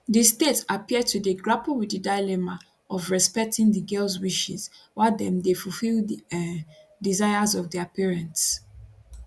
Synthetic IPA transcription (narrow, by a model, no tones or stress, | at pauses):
distetapiəd̚tʰudeɡɹapəlˠwiddədaɪlɛma | ɔvɹɛspɛk̚tʰɪ̃ŋdəɡɜlˠzwiʃḭzwadɛ̃mdefulfilˠ | dizaɪəzɔvdɛapiɹɛ̃nts